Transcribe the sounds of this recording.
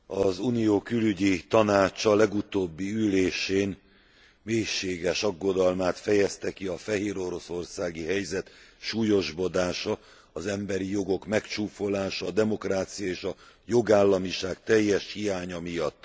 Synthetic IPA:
ɒzunijoːkylyɟit̪ɒnaːt͡ʃɒlɛɡut̪oːbːiyleːʃeːn | meːjʃeːɡɛʃɒɡːo̞d̪ɒlmaːt̪fɛjɛst̪ɛkiɒfɛɦeːɾo̞ɾo̞so̞rsaːɡiɦɛjzɛt̪ʃuːjo̞ʒbo̞d̪aːʃɒ | ɒzɛmbɛɾijo̞ɡo̞kmɛkt͡ʃuːfo̞laːʃɒːd̪ɛmo̞kraːt̪sijɒeːʃɒ | jo̞ɡaːlːɒmiʃaːk̚t̪ɛjːɛʃhijaːɲɒmijɒt̪ː

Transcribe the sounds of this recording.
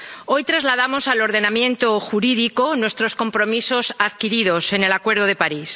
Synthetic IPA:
o̞jt̪ɾazlað̞amo̞salo̞ɾðe̞namjẽ̞nt̪oxuɾiðikonwe̞st̪ɾo̞sko̞mpɾo̞miso̞saðkiɾið̞o̞se̞ne̞lakwe̞ɾð̞oð̞e̞paɾis

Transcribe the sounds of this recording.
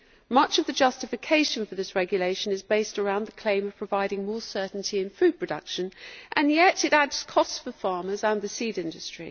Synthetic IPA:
mʌt͡ʃʌvðɨd͡ʒʌstɨfɨkʰeɪʃə̃nfəðɪsɹɛɡjəleɪʃə̃nɨzbeɪstə˞ãʊ̃nðəkʰl̥ẽɪ̃məv̥pʰɹ̥əvaɪɾɪ̃ŋmɔːsɜˑ˞ʔn̩tʰiɨ̃nfʉd̚pʰɹ̥ədʌ̰kʃə̃nʔə̃njɛtɨɾædz̥kʰɒstsfəfɑɹməzə̃nðəsidɪ̃ndɨstɹ̥ḭ

